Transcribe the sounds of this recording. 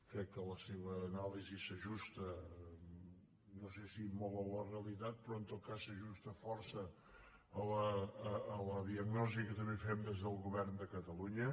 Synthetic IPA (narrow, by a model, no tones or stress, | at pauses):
kɾɛkːələseβəːnalizisəʒust̪ə | nosesimɔlˠəlˠəreəlit̪at̪̚pɾɔənt̪ot̪̚kasːəʒust̪əfɔrsəː | ləː | ləðiəɡnɔzikət̪əmbefɛmd̪ezðəlˠɣuβɛrnd̪əkət̪əluɲə